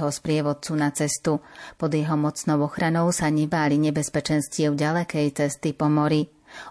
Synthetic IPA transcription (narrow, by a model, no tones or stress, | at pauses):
ɦɔspɾɪɛʋɔt͡sunat͡sɛst̪upɔd̪jɛɦɔmɔt͡snɔʊɔxɾanɔʊsaɲɛbaːliɲɛbɛspɛt͡ʃɛnscɪɛʊɟalɛkɛjt͡sɛst̪ipɔmɔɾi